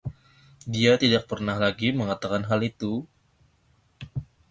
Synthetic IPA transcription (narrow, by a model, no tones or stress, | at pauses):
diat̪idak̚pərnahlaɡiməŋat̪akanɦalit̪u